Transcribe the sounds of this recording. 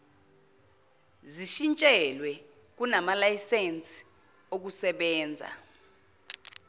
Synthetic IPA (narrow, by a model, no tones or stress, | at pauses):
ziʃint͡ʃʼɛlwɛ | k̬unamalajisent͡sʼi̥ | ok̬usɛɓɛːnd͡zʱa̰